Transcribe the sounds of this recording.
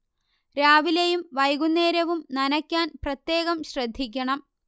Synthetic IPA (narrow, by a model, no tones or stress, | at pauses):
ɾaːʋilejumʋɐjɡunːe̞ːɾɐʋumnɐnɐkʲːaːnprɐt̪je̞ːɣɐmɕrɐd̪ʱːik̬ʲːɐɳɐm